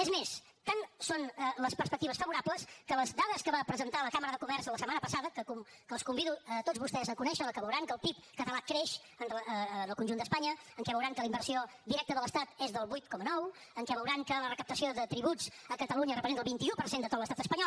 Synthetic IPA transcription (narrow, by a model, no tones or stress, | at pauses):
ezmes | t̪ansonələspəɾspək̚t̪iβəsfəβuɾapləskələzd̪aðəskəβapɾəzənt̪aləkaməɾəðəkumɛɾsələsəmanəpəsaðəkəkum | kəlˠskumbiðuət̪od͡zβust̪ɛzəkunɛʃəəkəβəwɾaŋkəlˠpip̚kət̪əlakɾeʃ | ənəənəlˠkunʒund̪əspaɲəəŋkɛβəwɾaŋkələimbəɾsio | d̪iɾɛk̚t̪əðələst̪at̪ezðəlˠβujt̪kɔmənɔw | əŋkɛβəwɾaŋkələrəkəpt̪əsioðət̪ɾiβut͡səkət̪əluɲərəpɾzent̪əlˠβint̪iupəɾsend̪ət̪ot̪ləst̪at̪əspəɲɔl